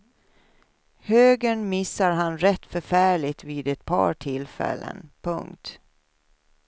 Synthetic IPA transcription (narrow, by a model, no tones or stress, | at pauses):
høːɡəɳmɪsːaɾɦanɾɛt̪ːfœɾfæːɭɪt̪viːd̪ɛt̪̚pʰɑ̰ːʈʰɪlfɛ̰lːə̰npʰɵ̰ŋkt̪